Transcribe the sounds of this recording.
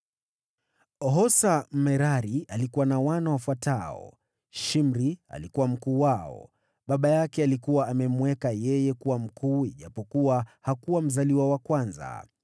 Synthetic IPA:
ɔɦɔsamɛɾaɾialikuwanawanawafwataɔ̰ | ʃimɾia̰likuwam̩kuːwaɔ̰ | ɓaɓajakɛalikuwaːmɛmwɛkajɛjɛkuwam̩kuːiʄapɔkuwahakuwam̩zaliwawakwanza̰

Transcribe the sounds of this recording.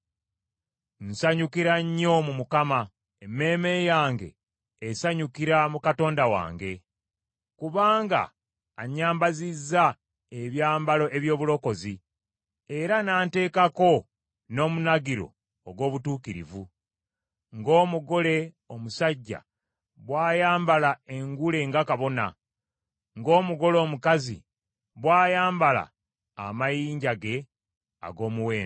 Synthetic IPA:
n̩saɲukiɾaɲːo̞mumukama | emːe̞ːme̞jaːŋɡe̞̰ː | saɲukiɾamukato̞ːndawa̰ːŋɡe̞ | kuβaːŋɡa̰ː | ɲaːmbazizːa | eβjaːmbalo̞ʔe̞βjo̞ːβulo̞ko̞zi | e̞ɾanaːnte̞ːkako̞ | no̞ːmunaɡiɾo̞̰ː | ɡwo̞ːβutuːkiɾḭvu | ŋɡo̞ːmuɡo̞le̞ | o̞musaɟːa̰ | βwaːjaːmbalae̞ŋɡule̞ŋɡakaβo̞na̰ | ŋɡo̞ːmuɡo̞lo̞ːmukazḭ | βwaːjaːmbala̰ː | majiːɲɟaɡe̞ | a̰ɡo̞ːmuwe̞ːn

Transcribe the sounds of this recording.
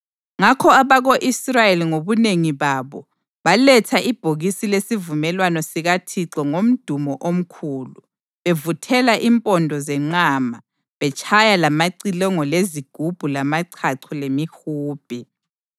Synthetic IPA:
ŋakʰɔaβaɣoʔisrajeliŋoβuneŋiβaːβɔ | βalɛtʰaʔib̥ʱoɣisilesivumɛlwanɔsiɣatʰiǁɔŋom̩d̥ʱumɔʔom̩kʰuːlu | βevutʰɛlaʔimpʼɔndʱɔzɛŋ͡ǀaːma | βɛt͡ʃʼʰajalamaǀilɔŋɔleziɡ̥ʱub̥ʱulamaǀʰaǀʰɔlemixuːb̥ʱi

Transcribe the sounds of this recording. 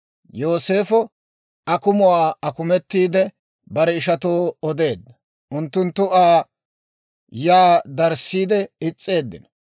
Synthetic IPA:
jo̞ːse̞ːfɔ | ʔɐkʊmʊwaːɐkʊmɛt̪ːiːd̪ɛ | bɐɾɛɪʃɐt̪oːɔd̪e̞ːd̪ːɐ | ʔʊnt̪ːʊnt̪ːʊʔaː | jaːd̪ɐɾsiːd̪ɛɪt͡sʼːe̞ːd̪ːɪ̰n

